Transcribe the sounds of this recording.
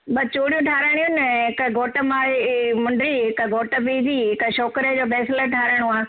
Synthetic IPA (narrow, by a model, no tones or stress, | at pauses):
bɐt͡ɕoːɽijũʈʰaːɾəɽ̃iũnɦɪkəɡʱoːʈəmaːɭimʊ̃ɳɖɾiɦɪkəɡʱoːʈəpiːd̪iɦɪkəʃoːkɾed͡ʑoːpɛːsɪləʈʰaːɾəɽ̃uaː